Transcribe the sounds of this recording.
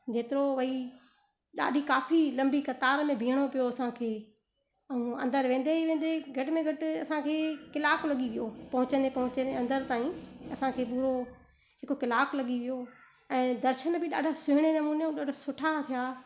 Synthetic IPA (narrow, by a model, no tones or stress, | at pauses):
d͡ʒʱeːt̪ɪɾoʋɐi | ɗa̰ːɖʱikaːfʰilɐ̃mbikɐt̪aːɾmẽbʱĩːəɽ̃opijoɐsãkʰeː | ɐũɐ̃nd̪əɾʋẽːn̆d̪eʋẽːnd̪eɡʱɐʈɪmẽɡʱɐʈɪɐsãkʰeːkɪlaːklɐɠiʋijopɐ̃ɦʊ̃t͡ɕənepɐɦʊ̃t͡ɕneɐ̃nd̪əɾt̪aːĩɐsãkʰeːɓuːɾo | ɦɪkokɪlaːklɐɠiʋijo | ɛ̃ːd̪ɐɾʃənbɪɗa̰ːɖʱasʊɦɪɽ̃enɐmuːneũɗaːɖʱasʊʈʰat̪ʰijaː